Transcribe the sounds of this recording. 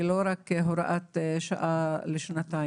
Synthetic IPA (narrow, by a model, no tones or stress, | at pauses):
loːɾakːeɦʊɾa̰ʔat̪ʃaʔalɪʃnat̪a